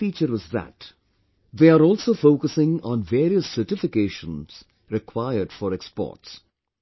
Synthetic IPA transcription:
iːt͡ʃəɾʋɔzðæ̰t | ðeːaɾɔːlsoːfoːkəsɪ̃ŋɔ̃nʋeːɾiəsːəʈɪfɪkeːʃə̃nz̥ | ɾɪkʰwaɪəɾɖ̥fɔɾɛkspɔ̰ːʈs

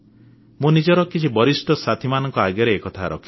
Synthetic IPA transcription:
mũnid͡ʒɔɾɔkit͡ʃʰibɔɾisʈɔsat̪ʰimanɔŋkɔaɡjɔɾeːkɔt̪ʰaɾɔ̰kʰi̥

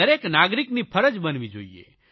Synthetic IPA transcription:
əɾeknaɡɾiknipʰəɾəd͡ʒbənʋid͡ʒo̰iḛ

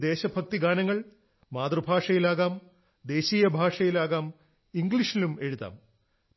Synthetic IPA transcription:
d̪e̞ːɕɐbʱɐk̚t̪iɡaːnɐŋːɐɭ | maːd̪rɨbʱaːʂɐjilaːɣaːm | d̪e̞ːɕiːjɐbʱaːʂɐjilaːɣaːm | iŋɡɭiʂilume̞ɻuða̰ːm

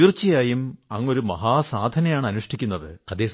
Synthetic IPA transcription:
irt͡ɕːijaːjumɐŋːo̞ɾumɐɦaːsaːd̪ʱɐnɐjaːɳɨɐnuʂʈʰikʲːunːɐðɨkɐd̪eːs

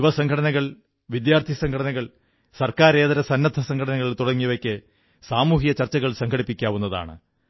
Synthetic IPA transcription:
uʋɐsɐŋɡʰʱɐɽɐnɐɣɐɭ | ʋid̪jaːrt̪ʰijɐsɐŋɡʰɐɽɐnɐɣɐɭ | sɐrkaːɾe̞ːðɐɾɐsɐnːɐt̪ʰːɐsɐŋkʰɐɽɐnɐŋːɐɭit̪uɽɐŋːiʋɐkʲːɨ | saːmuːɦijɐt͡ɕɐrt͡ɕːɐɣɐɭsɐŋɡʰɐɽipːikʲːaːʋunːɐða̰ːɳɨ̰

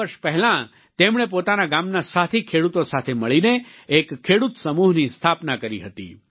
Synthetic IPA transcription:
əɾʃpɛɦɛlã | t̪emɳ̃ep̬ot̪anaɡamnasat̪ʰikʰeɽut̪osat̪ʰeməɭineekkʰːeɽut̪səmuɦnist̪ʰapnakəɾiɦət̪ḭ

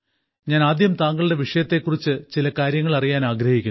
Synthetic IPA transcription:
ɲaːnaːd̪jɐmt̪aːŋɡɐɭɨɽe̞ʋiʂɐjɐt̪ːe̞kːurit͡ɕːɨt͡ɕilɐkaːɾjɐŋːɐɭɐrijaːnaːɡɾɐhikʲːun

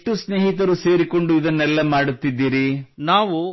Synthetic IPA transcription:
ʈusne̞ːɦit̪ɐɾuse̞ːɾiko̞ɳɖuid̪ɐnːɛlːɐmaːɽut̪ːid̪ːiːɾinaːʋu

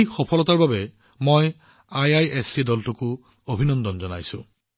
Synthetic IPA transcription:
xɔpʰɔlɔtaɹbabɛ | moj | ajajɛsidɔltokʊ | obʱinɔndɔnzɔna̰jsʊ̰̃

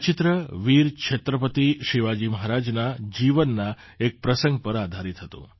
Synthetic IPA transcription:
t͡ʃɪt̪ɾəʋiɾkʃʰet̪ɾəpət̪iʃiʋad͡ʒiməɦaɾad͡ʒnad͡ʒiʋənːa | ek̚pɾəsə̃ŋɡ̚pəɾad̪ʱaɾit̪ɦət̪ṵ̃

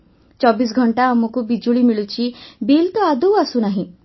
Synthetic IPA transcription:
t͡ʃɔbis̬ɡʱɔɳʈaːmɔkubid͡ʒuɭimiɭut͡ʃʰibilt̪ɔad̪owasunaɦĩ

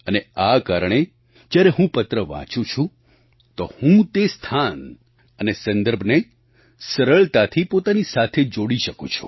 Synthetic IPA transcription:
əneakaɾəɳ̃e | d͡ʒjaɾeɦũpət̪ɾəʋã̰t͡ʃũt͡ʃʰũ | t̪ohũt̪est̪ʰan | ənesə̃nd̪əɾbʱne | səɾəɭt̪at̪ʰipot̪anisat̪ʰed͡ʒoɽiʃəkṵ̃t͡ʃʰu̥̰

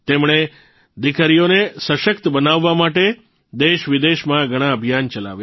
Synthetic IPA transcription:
t̪emɽ̃e | d̪ikəɾijonesəʃəkt̪əbənaʋːamaʈe | d̪eʃʋid̪eʃmãɡʱəɽ̃ãəbʱjant͡ʃəla̰ʋja

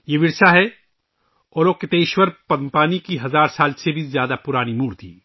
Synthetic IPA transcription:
jeʋɪɾsaɦɛ | ɔːɾoːket̪eːʃwəɾpɐd̪mpaːnikiɦɐzaːɾsaːlsebʱizjaːd̪apʊɾaːnimuːɾt̪ʰḭː

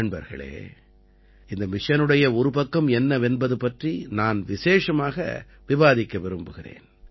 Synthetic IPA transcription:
ɳbɐ̰ɾɣɐ̰ɭḛː | ɪnd̪ɐmɪʂɐnɯɽɐjɐɔɾɯpɐkːɐmɛnːɐʋɛnbɐðɯpɐʈrinaːnʋɪseːʂɐmaːɣɐ̰ | ʋɪbaːðɪkːɐʋɛɾɯmbɯɣɪrḛːn

